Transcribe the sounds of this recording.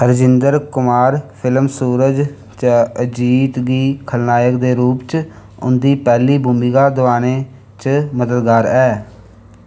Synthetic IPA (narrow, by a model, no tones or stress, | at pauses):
əɾd͡ʒɪnd̪əɾkʊmaːɾpʰɪləmsuːɾəd͡ʒ | t͡ʃəəd͡ʒiːt̪ɡiːkʰəlnaːjəkd̪eːɾuːpt͡ʃ | ʊ̰nd̪iːpɛːliːbʊmiɡaːd̪ʊaːneː | t͡ʃməd̪əd̪ɡaːɾɛː